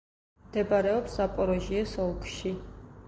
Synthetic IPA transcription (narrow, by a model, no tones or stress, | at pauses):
md̪ɛbaɾɛɔpsapʼɔɾɔʒiɛsɔlˠkʰʼʃi